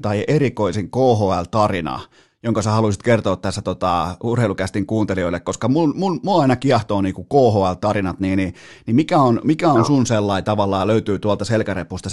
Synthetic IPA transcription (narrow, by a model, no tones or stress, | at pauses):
t̪ɑiʔerikoisiŋkoːhoælt̪ɑrinɑ̰ | joŋkɑsæhɑlusit̪kert̪oːt̪t̪æsːæt̪ot̪ɑurheˑilukæst̪iŋkuːnt̪elioilːekoskɑmunmunmuɑinɑkiɑht̪oːniːkukoːhoːælt̪ɑrinɑt̪niːni | nimikæonmikæonsunselːɑit̪ɑʋɑlːɑːløyt̪yːt̪uɑlt̪ɑselkærepust̪ɑ